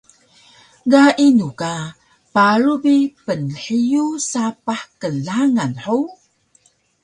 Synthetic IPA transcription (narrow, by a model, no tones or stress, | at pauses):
ɡaʔinuka | paɾubipənħijusapaħkəlaŋanħu